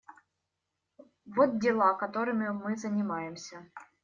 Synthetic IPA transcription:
vot̪̚dʲɪlˠakɐt̪o̞ɾɨmʲɪmɨzənʲɪmajɪmsʲə

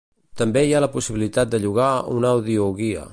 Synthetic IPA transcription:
t̪əmbejaləpusiβilit̪at̪̚d̪əʎuɣaunawðiuɣiə̰

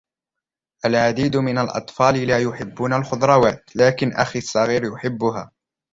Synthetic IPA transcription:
ʔalʕad̪iːd̪mɪnalʔɑ̰t̪ˤfɑːlɪlaːjʊħɪbːunalxʊd̪ɾˤɑwaːt̪laːkɪnʔa̰xisˤːɑɣiːɾjʊħɪbːʊɦaː

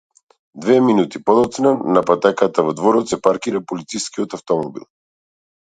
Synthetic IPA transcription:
d̪vɛminut̪ipɔd̪ɔt̪snanapat̪ɛkat̪avɔd̪vɔɾɔt̪sɛpaɾkiɾapolit̪sijskiɔt̪aft̪ɔmɔbḭlˠ

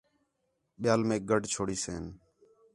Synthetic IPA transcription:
ɓɪjaːlmẽːɡəɖʱt͡ʃʰoːɽiːseːn

